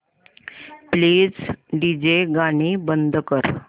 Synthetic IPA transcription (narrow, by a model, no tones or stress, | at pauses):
pliːd͡zɖid͡ʑeɡaɽ̃ibənd̪ʱkəɾ